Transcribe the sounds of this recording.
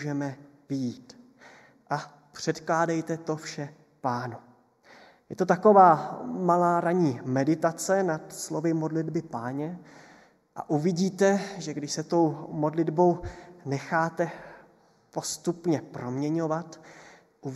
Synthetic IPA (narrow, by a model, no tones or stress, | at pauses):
ʒɛmɛvɪjiːt̪ | ʔa | pr̝̥ɛt̪klaːdɛjt̪ɛt̪o̞fʃɛ | paːnu | jɛt̪ot̪ako̞vaːmalaːɾaɲiːmɛdɪt̪at͡sɛnat̪slo̞vɪmo̞dlɪdbɪpaːɲɛ | ʔa̰ʔuvɪɟiːt̪ɛʒɛɡdɪʃsɛt̪o̞wmo̞dlɪdbo̞wnɛxaːt̪ɛ | po̞st̪upɲɛpɾo̞mɲɛɲo̞vat̪ | ʔu